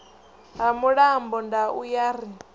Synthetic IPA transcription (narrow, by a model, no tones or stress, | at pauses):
ɦamuɺambɔndaujaɾi